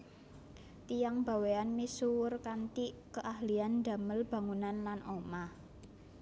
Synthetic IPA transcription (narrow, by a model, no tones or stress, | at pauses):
t̪ijaŋb̥a̤weanmisuwʊrkant̪ikəʔahliand̪̥a̤məlb̥ä̤ŋunanlanʔomah